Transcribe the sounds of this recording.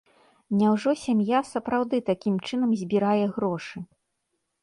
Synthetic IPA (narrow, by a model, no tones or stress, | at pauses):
nʲawʐɔsʲamjasɐpɾawd̪ɨt̪akʲimt͡ʂɨn̪ɐmzʲbʲiɾajɛɣɾɔʂɨ